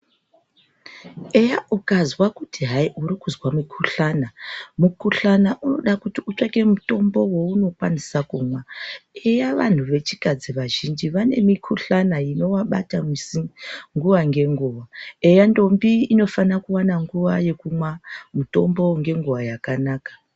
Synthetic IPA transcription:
ejaʔukazwakutʰiɦaiʔuɾikuzwamikʰuɬanamukuɬanaʔuno̞ɗakutiut͡ʂeke̞muto̞mbo̞wo̞uno̞kwanisakuːmwaejaʋa̰n̤uʋe̞t͡ʃi̥kad͡ziʋaʒind͡ʒiʋane̞mikʰuɬanaino̞waɓa̰tamisiŋɡuʋaŋɡe̞ŋɡuʋaejando̞mbiːno̞fanakuwanaŋɡuʋaje̞kumwamuto̞mbo̞ŋɡe̞ŋɡuʋajakanaːkḁ

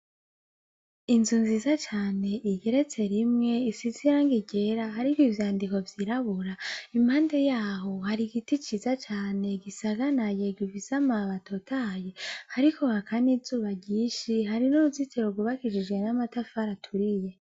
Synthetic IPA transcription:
inzunziːzat͡ʃaːne̞ʔiɟe̞ɾe̞t͡se̞ɾimŋe̞isiziɾaŋɡiɟe̞ɾaɦaɾikoivjaːndiko̞vjiɾaβuɾaimhaːnde̞jaːɦo̞haɾiɡitit͡ʃizat͡ʃaːne̞ɡisaɡanajeɡɟuvisamaβatʰo̞tʰajehaɾiko̞hakʰanizuːβaɟiːʃiɦaɾinuɾuzitʰeɾoɡuβakiʃid͡ʒɡe̞namatafaɾatʰuɾije̞

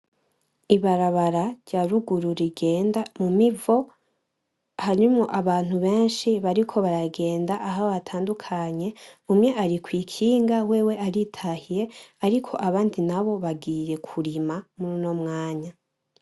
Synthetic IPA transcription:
iβaɾaβaɾaɾɟaːɾuɡuɾuɾiɡe̞ːndamumivo̞ | haɲumŋoʔaβaːn̥huβe̞ːnʃiβaɾikʰo̞βaɾaɡe̞ːndaʔaɦaβatʰaːndukʰaɲe̞umɲe̞ʔaɾikwiːkʰiːŋɡawe̞ːwe̞ʔaɾitʰahije̞aɾikʰo̞ʔaβaːndinaβo̞βaɡiːɾe̞kʰuɾimamuɾuno̞mŋaːɲa

